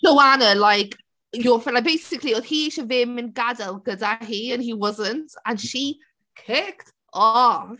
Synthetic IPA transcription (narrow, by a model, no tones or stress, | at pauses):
ləwanəlajk | joflabejsɪkʰlioð̥hiiʃəvɪmɪ̃nɡadəlˠɡədaɦiə̃nhiwɔzəntə̃nʃi | kʰɪkt | ɔf